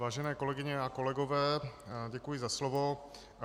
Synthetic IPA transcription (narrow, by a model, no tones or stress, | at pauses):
vaːʒɛnɛːko̞lɛɡɪɲɛako̞lɛɡo̞vɛːɟɛkujɪzaslovo̞